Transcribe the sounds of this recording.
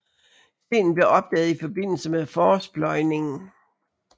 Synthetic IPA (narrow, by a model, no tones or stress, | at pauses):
se̝̰ːn̩b̥le̝ɐʔɒ̽b̥̚d̥ɛ̰ːð̞̩ˠifɒ̽b̥e̝n̰l̩səmefɒːsb̥lɒ̽ɪne̝ŋn̩